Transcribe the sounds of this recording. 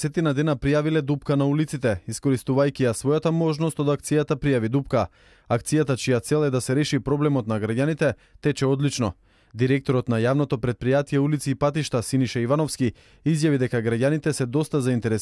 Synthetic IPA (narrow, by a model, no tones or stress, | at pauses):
sɛt̪inad̪ɛnapɾijavilɛd̪upkanaulit̪sit̪ɛiskɔɾist̪uvajkʲiasvɔjat̪amɔʒnɔst̪od̪ak̚t̪sijat̪apɾijavid̪upka | ak̚t̪sijat̪at͡ʃijat̪sɛlˠɛd̪asɛɾɛʃipɾɔblɛmɔt̪naɡɾaɟʲanit̪ɛ | t̪ɛt͡ʃɛɔd̪lit͡ʃnɔ | d̪iɾɛk̚t̪ɔɾɔt̪najavnɔt̪ɔpɾɛt̪̚pɾijat̪ijɛulit̪siːpat̪iʃt̪asiniʃaivanɔfski | izjavid̪ɛkaɡɾaɟanit̪ɛsɛd̪ɔst̪azaint̪ɛɾɛ